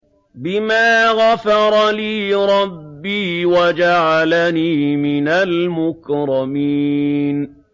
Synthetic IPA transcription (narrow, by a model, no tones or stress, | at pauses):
bɪmaːɣafɑɾˤɑliːɾˤɑbːiːwad͡ʒaʕalaniːmɪnalmʊkɾˤɑmiːn